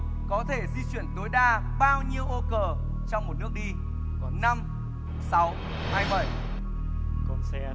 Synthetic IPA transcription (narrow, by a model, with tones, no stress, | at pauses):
kɔ˨˦t̪ʰe˧˩zi˧t͡ɕwḭ˧˨ənt̪o˨˦jɗaː˧ | ɓaː˧wɲi˧əwʔo˧kəː˨˩ | t͡ɕɔ˧wŋ͡mmo˨˩t̚nɨ˦˥ək̚ɗi˧ | kɔ˨˦na˧m | sa˨˦w | haː˧jɓə̰˧˨j | kɔ˧nsɛ˧